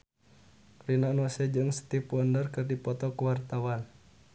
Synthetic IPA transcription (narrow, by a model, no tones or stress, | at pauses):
rinɔnɔsɛd͡ʒɨŋsə̥t̪ipɔndərkɨrdipɔt̪ɔkuwart̪awan